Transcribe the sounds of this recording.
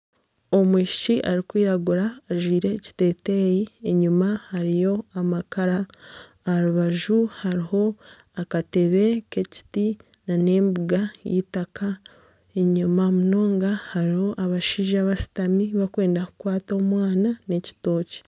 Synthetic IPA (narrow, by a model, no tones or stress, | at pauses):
o̞mwiːʃiciʔaɾikwiːɾaɡuɾaːʒwiːɾe̞ci̥te̞ːte̞jieɲumahaɾijo̞amakaɾaː | ɾuβaʒuhaɾiho̞ | akate̞βe̞ke̞ci̥ti | nane̞ːmbuɡajḭtaka | e̞ɲumaomuno̞ːŋɡahaɾiho̞ʔaβaʃiːʒaβasi̥tamiβakwe̞ːndakukwaːtoːmwaːnane̞ci̥to̞ːci̥